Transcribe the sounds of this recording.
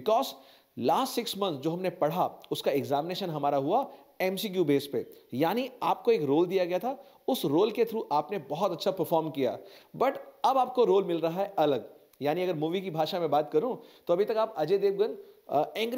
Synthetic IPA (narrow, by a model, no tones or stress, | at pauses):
ɪkɔːz | laːsʈsɪksmɐ̃nt̪sd͡ʒoːɦɐmnepɐɽ̤aʊskaɛɡzaːmɪneːʃə̃nɦɐmaːɾaɦua | ɛmsikjuːbeːspejaːniaːp̚koeːkɾoːld̪ijaɡɐjat̪ʰa | ʊsɾoːlket̪ʰɾuʔaːpnebɐɦɔt̪ɐtːʃʰapɐɾfɔːɾmkija̰ːbɐʈɐbaːp̚koɾoːlmɪlɾɐɦaɦɛʔɐləɡ | jaːniɐɡəɾmuːʋikibʱaːʃamẽbaːt̪kɐɾũt̪oɐbʱit̪ɐkaːpɐd͡ʒeːd̪eːʋɡənɛ̃ːŋɡ